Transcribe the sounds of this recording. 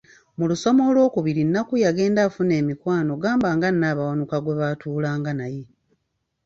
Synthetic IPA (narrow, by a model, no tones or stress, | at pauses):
muluso̞mo̞lwo̞ːkuβiɾinːakujaɡe̞ːndaːfune̞ːmikwaːno̞ɡaːmbaːŋɡanːaːβawanukaɡwe̞βatʰuːlaːŋɡanaje̞